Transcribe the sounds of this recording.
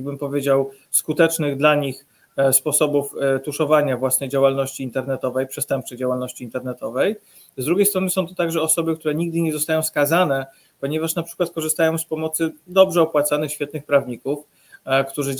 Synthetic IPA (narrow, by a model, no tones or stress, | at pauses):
bɘmpɔvʲjed͡ʑaw | skut̪ɛt͡ʂnɘɣd̪laɲix | spɔsɔbuft̪uʂɔvaɲavwasnɛjd͡ʑawalnɔɕt͡ɕiːnt̪ɛɾnɛt̪ɔvɛjpʂɛst̪ɛmp̚t͡ʂɛjd͡ʑawalnɔɕt͡ɕiːnt̪ɛɾnɛt̪ɔvɛj | zd̪ɾuɡʲejst̪ɾɔnɘsɔ̃w̃t̪ɔ̥t̪aɡʐɛɔsɔbɘkt̪uɾɛɲiɡ̚d̪ɘɲɛzɔst̪ajɔ̃w̃skazanɛ | pɔɲɛvaʂnapʂɘ̥kwat̪̚kɔʐɨst̪ajɔ̃w̃spɔmɔt̪sɘd̪ɔbʐɛɔpwat̪sanɘxɕfʲɛt̪̚nɘxpɾavɲikuf | kt̪uʐɘ